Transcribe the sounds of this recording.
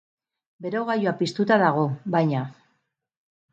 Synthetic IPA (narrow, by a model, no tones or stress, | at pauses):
be̞ɾo̞ɣajoapist̪ut̪aðaɣ̞o̞bajɲa